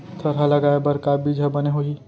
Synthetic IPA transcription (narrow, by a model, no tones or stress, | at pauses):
t̪ʰɐɾɦalɐɡaːebɐɾkaːbid͡ʒʱabɐneɦoi